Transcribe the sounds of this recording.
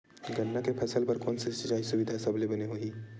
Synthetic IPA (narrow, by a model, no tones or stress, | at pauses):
ɡɐnːakepʰɛːsəlpɐɾkoːnsesɐt͡ʃaːisʊʋɪd̪ʱasɐblebɐneɦoiː